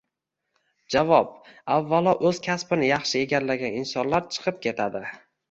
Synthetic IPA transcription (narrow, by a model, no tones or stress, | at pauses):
d͡ʒavɒp̚avːalˠɒʔɵz̥kʲʰaspɪnɪjɑχʃɪe̞ɡʲaɾlaɡʲanɪnsɒnlaɾt͡ʃʰɨ̥qʰɨp̚kʲʰe̞t̪ʰad̪ɪ